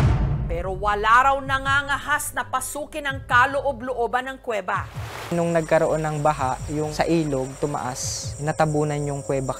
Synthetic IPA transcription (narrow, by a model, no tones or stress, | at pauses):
pɛːɾowɐlaːɾɐwnɐŋaŋɐɦasnɐpɐsuːkɪnɐŋkaloʔoblʊʔobɐnɐŋkwɛːbɐnʊŋnɐɡ̚kɐɾoʔo̞nːɐŋbaɦaʔjʊŋsɐʔiːloɡ̚t̪ʊmɐ̰ʔasnɐt̪ɐbuːnɐnjʊŋkwɛːbɐ